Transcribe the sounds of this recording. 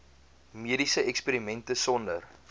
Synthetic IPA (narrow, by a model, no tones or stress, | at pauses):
miədisəɛkspiːɾimɛntəsɔndər